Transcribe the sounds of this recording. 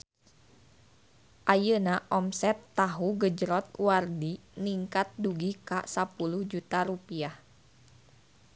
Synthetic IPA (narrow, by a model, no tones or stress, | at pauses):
ʔajənaʔɔmsɛt̪ːaɦuɡəd͡ʒɾɔt̪̚wardi | niŋkat̪̚duɡika̰sapuluhd͡ʒut̪aɾupiah